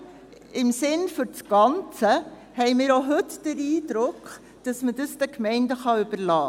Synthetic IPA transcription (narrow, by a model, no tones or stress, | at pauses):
ɪmsɪnfʏɾt͡sɡ̥ɑnt͡sə | hɛɪmɪːɾoɦɵtd̥əɾiːdɾʊkχ | d̥ɑsmədəsd̥əkmɛɪndəχɑʏb̥əɾlɑː